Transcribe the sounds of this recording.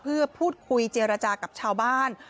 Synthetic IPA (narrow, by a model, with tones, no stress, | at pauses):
pʰɯ˥˩ɐpʰuː˥˩t̪̚kʰu˧jt͡ɕeː˧ɾa˧t͡ɕaː˧ka˨˩p̚t͡ɕʰaː˧wbaː˥˩n